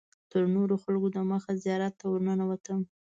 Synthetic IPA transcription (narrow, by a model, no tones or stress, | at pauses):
t̪əɾnoɾoxalɡod̪aməxazijɑɾat̪ːawəɾnənawat̪əm